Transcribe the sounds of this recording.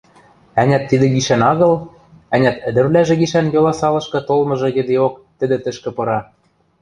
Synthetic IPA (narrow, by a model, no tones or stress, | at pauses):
ænʲæt̪ːid̪ɘ̆ɡiʃænɑɣɤ̆l | ænʲæt̪ɘ̆d̪ɘ̆ɾlæʒĕɣiʃænjɤlɑsɑlɤ̆ʃkɤ̆t̪olmɤ̆ʒɤ̆ɣɘ̆d̪eok̚t̪ɘ̆d̪ɘ̆t̪ɘ̆ʃkɘ̆pɤ̆ɾɑ